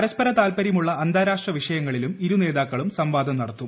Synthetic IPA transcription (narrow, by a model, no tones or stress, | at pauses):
ɐɾɐspɐɾɐt̪aːlpɐɾjimuɭːɐːnd̪ʱaːɾaːʂʈrɐʋiʂɐjɐŋːɐɭilumiɾune̞ːðaːkːɐɭumsɐmʋaːd̪ʱɐmnɐɽɐt̪ːum